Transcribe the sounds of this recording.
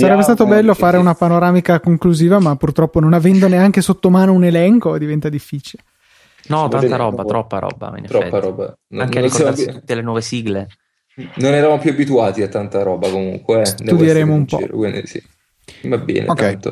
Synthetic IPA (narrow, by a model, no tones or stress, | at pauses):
saɾɛbːest̪aːt̪obɛlːofaːɾeunapanoɾaːmikakoŋkluziːvamapːurt̪ɾɔpːononavɛnd̪oneaŋk̟esot̪ːomaːnounelɛŋkod̪ivɛnt̪ad̪ifːiːt͡ʃile | nɔt̪ːant̪aɾɔːbat̪ɾɔpːa̰ɾɔ̰ːba̰ḭnt̪ɾɔpːaɾɔːba̰ | naŋkeɾinsoad̪aut̪ːelenwɔvesiɡle | nonɛɾamopjuabit̪uaːt̪iat̪ːant̪aɾɔːbakomuŋkwed̪ud̪jeɾeːmoumpɔ̰ḛɾ̰kwḭnd̪ḭsḭ | mabɛ̰ːnʔkɛt̪o